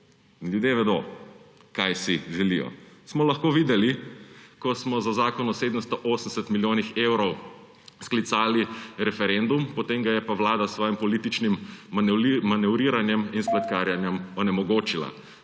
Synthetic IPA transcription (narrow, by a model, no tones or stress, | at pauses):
inljud̪jeʋɛd̪o̰ | kajsiʒɛlijɔ̰smɔlɐxkoːʋiːd̪ɛlikɔsmɔzazaːkɔnɔseːd̪əmst̪ɔʔoːsn̩sɛt̪miljoːnixewɾɔw | sklit̪saːliɾɛfɛɾend̪umpɔt̪eŋɡajɛpaʋlaːd̪asːʋɔːjimpɔliːt̪it͡ʃnim | manɛʊɾiːɾanjɛminsplɛt̪kaɾjanjɛmɔnɛmɔɡoːt͡ʃila̰